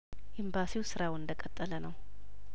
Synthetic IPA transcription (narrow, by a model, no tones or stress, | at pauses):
ʔɪmbasiwsɨɾawɨnd̪əkʼət̪ʼːələnəw